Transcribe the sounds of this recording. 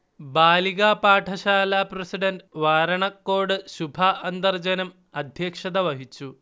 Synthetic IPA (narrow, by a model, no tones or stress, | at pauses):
baːliɣaːpaːʈʰɐɕaːlaːprɐsiɖɐnɖʋaːɾɐɳɐkːoːɽɨɕubʱɐɐnd̪ɐrd͡ʑɐnɐm | ɐd̪ʱjɐːkʂɐd̪ɐʋɐɦit͡ɕːu